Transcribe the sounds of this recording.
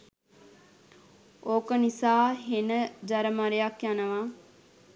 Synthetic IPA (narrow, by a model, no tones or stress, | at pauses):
oːkənisaːɦenəd͡ʒɐɾəmaɾejakjanəʋaː